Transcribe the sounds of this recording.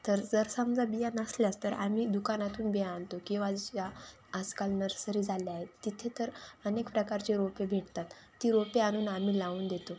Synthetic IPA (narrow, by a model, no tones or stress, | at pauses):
t̪əɾd͡zəɾsəmd͡zʱabijanəsljast̪əɾa̰m̤iːd̪ukanat̪uːnbeant̪okĩʋad͡zit͡ɕa | əd͡zkalnəɾsəɾiːd͡zʱaleaɦet̪ːit̪ʰet̪əɾənekpɾəkaɾt͡ɕeɾopebʱeʈt̪at̪ːiːɾopeañuːnam̤iːlauːnd̪et̪o